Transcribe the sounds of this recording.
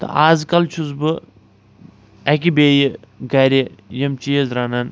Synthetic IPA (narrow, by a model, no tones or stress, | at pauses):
t̪ɐ̰ʔaːzkɐlt͡ʃʰuzbɨ | ɐk̬ʲibeːjiɡɐɾʲijɐmt͡ʃijɐzɾaːnɐn